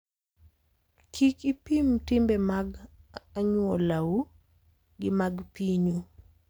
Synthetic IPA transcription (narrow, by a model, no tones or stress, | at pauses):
kʰikipimtɪmbemaɡaɲwɔlau | ɡɪmaɡpiɲu